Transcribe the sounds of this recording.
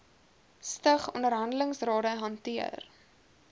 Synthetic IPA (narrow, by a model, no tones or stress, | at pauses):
stəχɔndəɾɦɐndələŋsrɑːɾəɦɐntiə̰r